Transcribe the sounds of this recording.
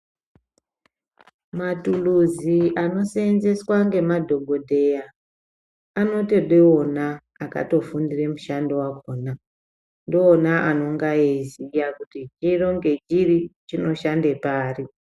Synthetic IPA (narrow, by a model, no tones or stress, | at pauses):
matuluziano̞senze̞swaŋɡe̞madʱo̞ɡʱo̞dʱe̞jaː | no̞teɗeo̞naː | ka̰to̞fundire̞muʃandowakoːna | ndoːnaʔano̞ŋɡaezijakutid͡ʒiro̞ŋɡe̞d͡ʒirit͡ʃino̞ʃande̞paːri